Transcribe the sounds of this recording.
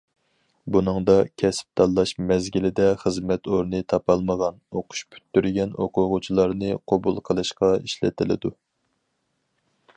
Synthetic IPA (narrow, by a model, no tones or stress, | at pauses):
bunɨŋd̪ɑkʲʰɛsp̚t̪ʰɑlˠːɑʃmɛzɡʲilɪd̪ɛχəzmɛt̪oɾnɨt̪ʰɑpɑlˠməʁɑnoqʰʊ̥ʃpʰy̥t̪ːyɾɡʲɛnoqʰʊʁʊt͡ʃʰilˠɑɾnɨqʰobulˠqʰəlˠɨʃqɑiʃlɪ̰t̪ʰɪlɪ̰d̪u